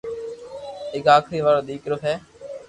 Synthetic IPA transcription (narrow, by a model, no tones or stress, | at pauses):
ɪkaːkʰɾiːʋaːɾoːd̪iːkɾʊfɦɛː